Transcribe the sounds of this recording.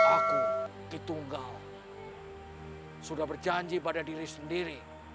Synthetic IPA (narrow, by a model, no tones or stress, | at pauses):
akudit̪uŋɡal | sudahbərd͡ʒaɲd͡ʒipadadiɾisəndiɾi